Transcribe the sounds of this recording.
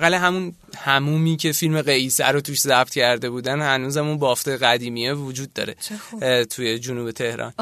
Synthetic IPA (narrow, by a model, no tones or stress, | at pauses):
ɣæleɦæmun | hæmuːmiːcʰe̞filme̞ɣejsæ̰ɾot̪ʰuːʃzæb̥̚t̪cʰæɾd̪e̞buːd̪ænhænuːzæmunbɒːft̪eɣæd̪iːmijevod͡ʒuːd̪ːɒ̰ːɾe̞̰t̪ʰuje̞d͡ʒunuːbe̞t̪ʰe̞hɾɒ̰ːn